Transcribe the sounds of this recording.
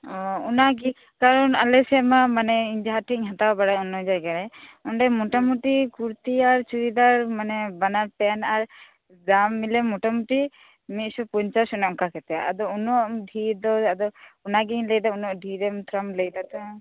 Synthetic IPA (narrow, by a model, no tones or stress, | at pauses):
ɔunaɡi | kaɾɔnalɛsɛmamanɛiɲd͡ʒaɦaʈʰiŋɦãt̪awbaɽajunɔd͡ʒaɡaɾɛɔɳɖɛmɔʈamuʈikuɾt̪iaɾt͡ʃuɾid̪aɾmanɛbanaɾpɛnaɾ | d͡ʒamːilɛmɔʈamuʈi | mit̪̚supuɲt͡ʃasunɔmkakɛt̪ɛaa̰d̪ɔunɔʔɖʱiɾd̪ɔad̪ɔunaɡiɲlɛjd̪aunɔʔɖʱiɾɛmt̪ʰɾamlɛjd̪at̪ɔ